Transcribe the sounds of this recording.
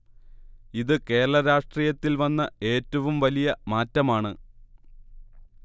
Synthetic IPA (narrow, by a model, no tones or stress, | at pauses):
iðɨke̞ːɾɐɭɐɾaːʂʈriːjɐt̪ːilʋɐnːɐe̞ːtːɐʋumʋɐlijɐmaːtːɐmaːɳɨ